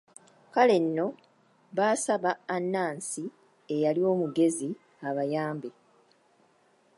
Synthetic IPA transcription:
kale̞nːo̞ | βaːsaβaːnːaːnsi | e̞jalio̞ːmuɡe̞zi | aβajaːmbe

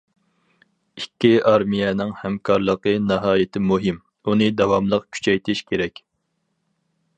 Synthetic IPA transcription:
ikʲʰːiʔɑɾmijɛnɪŋhɛmkʰɑɾlˠəqənɨɦɑːjɪt̪ʰɪmuɦɪm | unɨd̪ɛwɑmlˠəqkʲʰy̥t͡ʃʰɛjt̪ʰɪʃkʲʰeɾɛkʲ

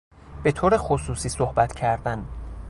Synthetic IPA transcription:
b̥e̞t̪ʰoːɾexosuːsiːsohbæt̪ʰcʰæɾd̪æn

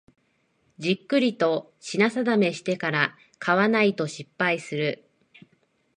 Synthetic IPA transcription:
d͡ʑikːɯ̟ɾʲit̪o̞ | ɕinasad̪ame̞ɕi̥t̪e̞kaɾa | kʰaβanait̪o̞ɕipːaisɨɾɯ̟

